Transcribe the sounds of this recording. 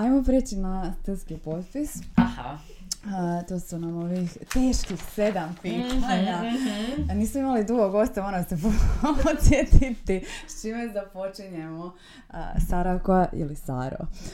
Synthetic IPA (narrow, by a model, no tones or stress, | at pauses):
ajmopɾet͡ɕinast̪rskipo̞t̪pisaha | t̪oːsunamoʋixt̪e̞ːʃkixsed̪ampiːt̪aɲa | niːsmoimalid̪uɡoɡo̞st̪oonasepopot̪sjet̪it̪it͡ʃimezd̪apo̞t͡ʃiɲemo̰ | saɾakoaʔḭlisa̰ɾo̰